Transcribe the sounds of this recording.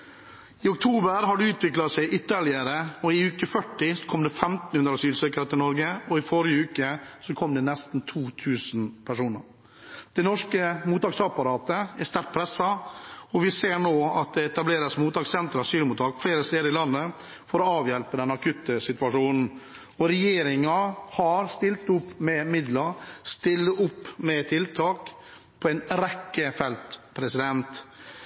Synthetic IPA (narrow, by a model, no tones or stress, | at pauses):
ɪʊk̚t̪ʰuːbəɾɦɑɖʉʉːt̪ʋɪklɑsæɪʔʏt̪ːəɭɪəɾəɔɪʉːkəfœʈːɪsɔ̥kʰɔmd̪ɛfɛmt̪n̩hʉnd̪ɾɑsyːlsøːkəɾət̪ʰɪlnɔɾɡəɔɪfɔɾɪjəʉːkəsɔkʰɔmd̪ɛnɛst̪n̩t̪ʰuːt̪ʰʉːsn̩pʰæʂuːnə̰ɾ | d̪̥ɛɪnɔʂkəmuːt̪ɑːksɑpɑɾɑːt̪əɛst̪æɾt̪̚pʰɾɛsːɑɔʋɪseːɾɳoːɑt̪̚d̪ɛɛt̪ɑbleːɾəsmuːt̪ɑːksɛnt̪ɾɑɑsyːlmuːt̪ʰɑːkfleːɾəst̪eːd̪əɾɪlɑnːə | fɔɾɔɑːʋjɛlpəd̪ɛnɑkʰʉt̪ːəsɪt̪ʋɑʂuːnn̩ | ɔɾɛjeːɾɪŋɑhɑɾst̪ɪlt̪ʊpːmɛmɪd̪lɑɾst̪ɪlːəʔʊpːmɛt̪ʰɪlt̪ʰɑːk | pʰɔɛnɾɛkːəfɛlt̪pʰɾɛsɪd̪ɛnt̪